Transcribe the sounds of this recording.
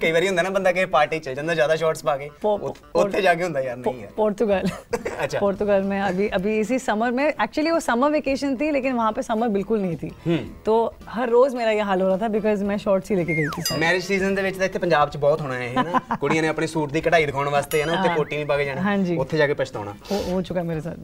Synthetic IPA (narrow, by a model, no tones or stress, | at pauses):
kəiːʋaːɾiːɦʊ̃nd̪aːnaːbənd̪aːk̬epaːɾʈiːt͡ʃəd͡ʒə̃nd̪aːzjaːd̪aːʃɔːɾʈspaːɡeːp̪ː | ʊːeːd͡ʒaːk̬eɦʊ̃nd̪aːjaːɾnəĩɛ̰pɔːɾt̪ʊɡəlɐtʃʰapɔːɾt̪ʊɡəlmɛ̃ːɐbʱiːʔɐbʱiːɪs̬isɐməɾmɛ̃ːɛːk̚t͡ʃuəliːʋoːsɐməɾʋeːkeːʃənt̪ʰiːleːkɪnʋɐɦãːpesəməɾbɪlkʊlnəɦĩt̪ʰḭːɦt̪oː | hɐɾːoːzmeːɾajeɦaːlɦoːɾaːt̪ʰabɪkɔːzmɛ̃ːʃɔːɾʈsɦileːkeɡɐit̪ʰisəmɛːɾɪd͡ʒsiːzənd̪eːʋɪt͡ʃt̪aɪt̪ʰːepəɲd͡ʒaːb̚t͡ʃəbɔːt̪ɦoːɽ̃naaɦɛnaːkoɽiãːnẽɐpɳesuːʈ̚d̪iːkəʈaːid̪əkʰaːɽ̃ʋaːst̪eɦɛːnaʊt̪ːekoːʈːiːnĩpaːɡed͡ʒaːnaɦãːɲd͡ʒiːʊt̪ʰːed͡ʒaːkepɐt͡ʃʰt̪aɦo̰ːna̰ːɦoɦoːt͡ʃʊkaemeːɾesa̰ːl